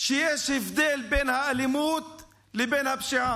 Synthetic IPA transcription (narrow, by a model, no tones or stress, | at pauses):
ʃɪjeʃɪfd̪eːlbeːnhaʔalɪmuːt̪̚ | lɪbeːnhabʃiʕaː